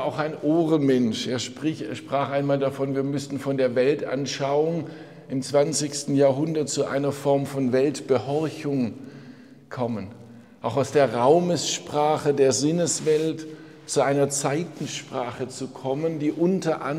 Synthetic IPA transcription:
aʊxaɪnʔoːʁəmɛnʃeːɐʃpʁ̥ɪçɐʃpʁ̥aːχʔaɪnmaːldafɔnviːɐmʏsn̩fɔndeːɐvɛlta̰nʃaʊʊŋ | ʔɪmt͡sv̥ansɪçstn̩jaːɐɦʊndɐt̚t͡suʔa̰ɪnɐfɔɐmfɔnvɛltb̥əhɔɐçʊŋ | kʰɔmən | ʔaʊxaʊsd̥eːɐʁaʊməsʃpʁ̥aːχədeːɐzɪnəsv̥ɛlt | t͡suʔaɪnɐt͡saɪtn̩ʃpʁ̥aːχət͡sukʰɔməndiːʔʊntʰɐʔa

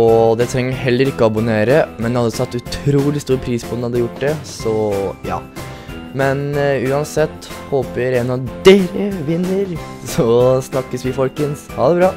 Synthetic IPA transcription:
ɔd̪ɛt̪ʰɾɛŋːəɦɛlːəɾɪkːɔɑbʊneːɾəmɛnd̪ɛhɑd̪ːət̪ʰɑt̪ːʉt̪ʰɾuːlɪst̪uːɾpʰɾiːspʰɔd̪ɛnɑd̪ːəjʊʈːd̪ɛsɔjɑ̰ː | mɛnʉːɑnsɛt̪ːhoːpəɾɛnɑʋd̪eːɾəʋɪnːəɾsɔsnɑkːəsʋɪfɔlkənshɑːd̪ɛbɾɑː

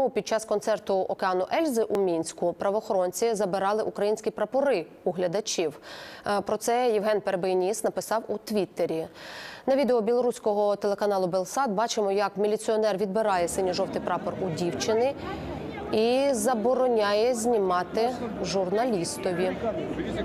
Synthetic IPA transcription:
ʊpʲid̪̚t͡ʃɑskɔnt̪sɛrt̪ʊʔɔkeɑnʊʔɛlʲzɪʔumʲinʲsʲkʊpɾɐʋɔːxɔɾɔnʲt͡sʲizɐbɪɾɑlˠɪʔukɾɐjinʲsʲkʲipɾɐpɔɾɪ | uɦlʲɐd̪ɐt͡ʃʲiwpɾɔt̪sɛjiwɦɛnpeɾbenʲisnɐpɪsɑwut̪ʋʲit̪ːeɾʲinɐʋʲid̪eɔbʲilˠɔɾusʲkɔɦɔt̪elˠekɐnɑlˠʊbelˠsɑt̪̚bɑt͡ʃɪmɔjɐkmʲilʲit͡s̪ʲiɔnɛrʋʲid̪bɪɾɑjɛsɪnʲiʒɔwt̪ɪjpɾɑpɔrʊdʲiwt͡ʃɪnɪ | izɐbɔɾɔnʲajɛzʲnʲimɑt̪ɪʒʊrnɐlʲist̪ɔʋʲi

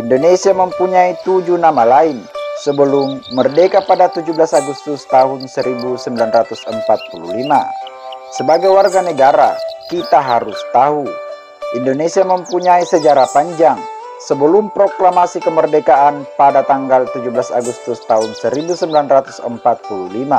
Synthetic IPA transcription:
ʔindonesiaməmpuɲait̪ud͡ʒunamalaɪnsəbəlʊmːərdekapadat̪ud͡ʒublasaɡust̪ʊst̪aɦʊnsəɾibusəmbilanrat̪usəmpat̪̚pulṵhlima̰ | səbaɡajwarɡanəɡaɾa̰kit̪aɦaɾʊst̪aɦu | indonesiaməmpuɲaisəd͡ʒaɾapaɲd͡ʒaŋ | səbəlʊmpɾoklamasikəmərdekaʔanpadat̪aŋɡalt̪ud͡ʒublasa̰ɡust̪ust̪aɦʊnsəɾibusəmbilanrat̪u̥sə̰mpat̪̚pululima

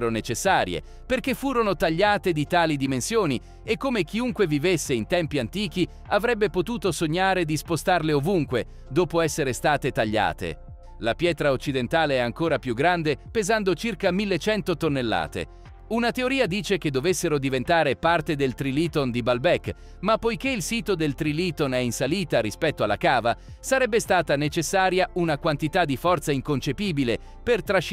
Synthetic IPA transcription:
ɾonet͡ʃesːaːɾjḛ | perk̟efːuːɾonot̪aʎːaːt̪ed̪it̪aːlid̪imensjoːni | ekːomek̟iuŋkwevivesːeint̪ɛmpiant̪iːk̟i | avɾɛbːepot̪uːt̪osoɲːaːɾed̪ispost̪arleovuŋkwe | d̪oːpoɛsːeɾest̪aːt̪et̪aʎːa̰ːt̪ḛ | lapjɛːt̪ɾaot͡ʃːid̪ent̪aːleɛaŋkoːɾapjuɡɾand̪epezand̪ot͡ʃirkamilːet͡ʃɛnt̪ot̪onːelːa̰ːt̪ḛ | unat̪eoɾiːad̪iːt͡ʃek̟ed̪ːovesːeɾod̪ivent̪aːɾepart̪ed̪elt̪ɾiliːt̪ond̪ibalbɛkː | mapːojkeilsiːt̪od̪elt̪ɾiliːt̪onɛinsaliːt̪aɾispɛt̪ːoalːa̰kaːva | saɾɛbːest̪aːt̪anet͡ʃesːaːɾjaunakwant̪it̪ad̪ːifɔrt̪saiŋkont͡ʃepiːbile | pert̪ɾaʃ

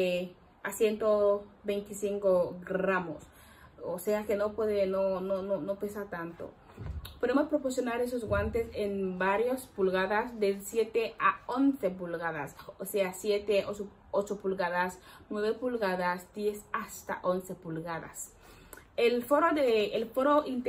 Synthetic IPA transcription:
e | asjent̪obejnt̪isiŋkoɡɾamos | oseakenopweðenonononopesaɾt̪ant̪o̰ | poðemospɾoposjonaɾes̬ozɣwant̪esenbaɾjospulɣaðasd̪esjet̪eaonsep̬ulɣaða̰soseasjet̪eoso | ot͡ʃopulɣaðasnweβepulɣaðasd̪jesast̪a̰ʔonsepulɣaða̰s | elfoɾoðeelfoɾoint̪

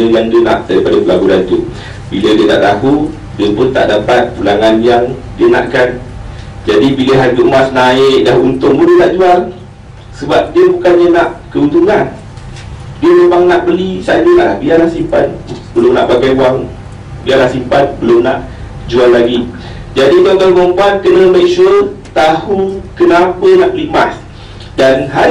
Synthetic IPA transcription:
əŋandəna̰ʔdaɾipadəpəlabuɾant̪uʔ | bilədiəna̰ʔt̪aɦu | diəpʊnt̪a̰ʔdapat̪̚pulaŋanbiaŋ | diəna̰ʔkand͡ʒadibiləɦad͡ʒuʔmasnaɪk̚daɦunt̪ʊŋbundiənaʔd͡ʒual | səbap̚diəbukanɲənaʔkəunt̪uŋan | diələbaŋnaʔbəlisa̰d͡ʒət̪aʔlahbialahsimpa̰t̪̚bəlʊmna̰ʔbaɡajbuaŋ | bialahsimpat̪̚bəlʊmnaʔ | d͡ʒualːaɡi | d͡ʒadit̪awkalbuaŋbuankənəmaiksuəlt̪ahunkənapənaʔbəlimas | danɦa

